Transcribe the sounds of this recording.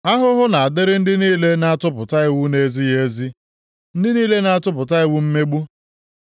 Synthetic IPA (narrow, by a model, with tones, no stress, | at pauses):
a˦ɦʊ˦ɦʊ˦na˨a˨dɪ˦ɾɪ˦n̩˦dɪ˦niː˦le˦na˦a˦tʊ˦pʊ˨ta˦ɪ˦wu˦ne˦zi˦je˦zi˦ | n̩˦dɪ˦niː˦le˦na˨a˨tʊ˦pʊ˨ta˦ɪ˦wu˦m̩˦me˦ɡ͡bu˦